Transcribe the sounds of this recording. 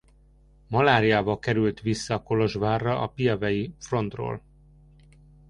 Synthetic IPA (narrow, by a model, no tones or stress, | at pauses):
mɒlaːɾijaːvɒkɛɾylt̪ʋisːɒːko̞lo̞ʒvaːrːɒʔɒpijɒvɛjifro̞nt̪ro̰ːl